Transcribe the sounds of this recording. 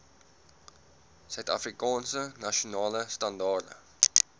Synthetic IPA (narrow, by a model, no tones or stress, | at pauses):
sœɥtɐ̰frikɑːnsənɐʃunɑːləstɐndɑːrdə̰